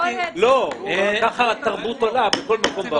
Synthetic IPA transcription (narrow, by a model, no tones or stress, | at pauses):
lokaχat̪aʁbut̪olabeko̞lmako̞mba